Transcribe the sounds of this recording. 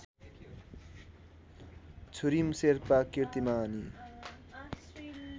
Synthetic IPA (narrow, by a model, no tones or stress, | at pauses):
t͡sʰuɾimseɾpakiɾt̪imaːni